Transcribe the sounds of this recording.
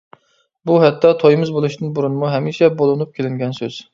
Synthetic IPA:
buɦɛt̪ʰːɑt̪ʰojmɨzbolˠuʃd̪ɨnbuɾunɨmuɦɛmiʃɛbolˠɨnup̚kʲʰelɪŋɡʲɛnsøz̥

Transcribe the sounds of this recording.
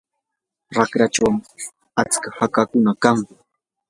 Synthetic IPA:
ɾakɾat͡ʃawm | at͡skahakakʊnakaŋ

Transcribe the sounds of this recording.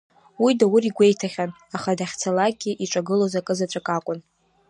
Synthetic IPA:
widawʊriɡʷe̞jtʰaχʲan | aχadaχʲt͡sʰalaɡʲiʔiʈ͡ʂʼaɡɨlozakʼɨzat͡ʃʷʰʼakʼakʷʼʊn

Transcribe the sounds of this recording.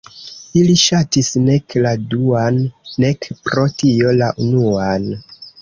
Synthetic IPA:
iliʃatisne̞kladuanːe̞kpɾo̞tio̞laʔunuan

